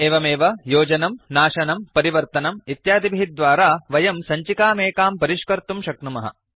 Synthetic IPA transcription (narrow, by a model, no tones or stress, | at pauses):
eːʋɐmeːʋɐjoːd͡ʒɐnɐmnaːʃɐnɐmpɐɾiʋɐɾt̪ɐnɐmit̪jaːd̪ibʱiɦid̪ʋaːɾaːʋɐjɐmsɐɲt͡ʃikaːmeːkaːmpɐɾiʃkɐɾt̪umʃɐknumɐɦɐ̰